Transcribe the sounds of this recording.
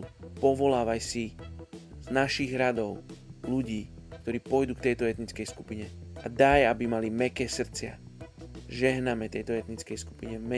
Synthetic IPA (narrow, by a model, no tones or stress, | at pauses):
pɔʋɔlaːʋajsi | znaʃiɣɾad̪ɔʊluɟiːk̚t̪ɔɾiːpɔjd̪uːkt̪ɛjt̪ɔɛt̪nit͡skɛjskupiɲɛad̪ajabimalimɛkɛːsr̩t͡sɪa | ʒɛɦnamɛt̪ɛjt̪ɔɛt̪nit͡skɛjsku̥piɲɛvmɛ